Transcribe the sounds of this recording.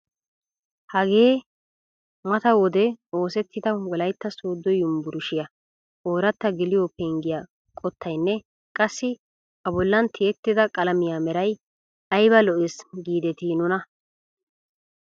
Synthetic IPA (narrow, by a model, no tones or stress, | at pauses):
hɐɡe̞ː | mɐt̪ɐwɔd̪ɛo̞ːsɛt̪ːɪd̪ɐwɔlɐjt̪ːɐsoːd̪ːɔjʊmbʊɾʊʃɪjɐ | ʔoːɾɐt̪ːɐɡɪlɪjopɛŋɡɪja | kʼɔt̪ʰːɐjnːɛ | kʼɐsːɪ | ɐbɔlːɐnt̪ʰɪɛt̪ːɪd̪ɐkʼɐlɐmɪjaːmɛɾɐj | ɐjbɐlɔʔɛsɡiːd̪ɛt̪inʊnɐ